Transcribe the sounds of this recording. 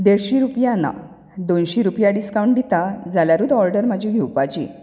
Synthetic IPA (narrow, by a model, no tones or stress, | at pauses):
d̪eɾɕiɾupjana̰ | d̪onɕiɾupjaɖiskawɳʈ̚d̪it̪ad͡zaljaɾuːd̪ɔɾɖəɾm̤əd͡ʑʱiɡʱewpat͡ɕḭː